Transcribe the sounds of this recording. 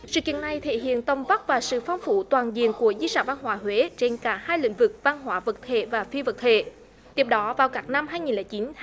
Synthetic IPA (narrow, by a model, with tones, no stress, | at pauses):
sɨ̰˧˨kḭ˧˨əna˨˩jt̪ʰḛ˧˨ɦḭ˧˨ənt̪ə˨˧˩wŋ͡mva˦˥t̚vaː˨˩sɨ̰˧˨fa˧wŋ͡mfu˧˦t̪waː˨˩nzḭ˧˨ənku˧˩əzi˧saː˧˩va˧nɦwaː˧˥ɦwe˨˦t͡ɕe˧nkaː˧˩˦haː˧jlḭ̈˧˥ŋ̟vɨ˨˩k̚va˧nɦwaː˧˥və˨˩t̚t̪ʰe˧˨vaː˨˩fi˧və˨˩t̚t̪ʰe˧˨ | t̪i˨˦˩əp̚ɗɔ˨˦vaː˨˩wkaː˦˥k̚na˧mɦaː˧jŋi˨˩nlɛː˨˩jt͡ɕi˨˦n